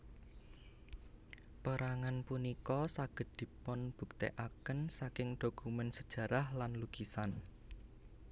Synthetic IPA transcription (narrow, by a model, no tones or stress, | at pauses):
pəɾaŋanpunikɔsaɡ̥ə̤t̪̚d̪̥i̤pɔnb̥ṳk̚t̪ḛʔakənsakɪŋɖ̪̥okumɛnsəd̥ʒ̥ä̤ɾahlanluɡ̥isan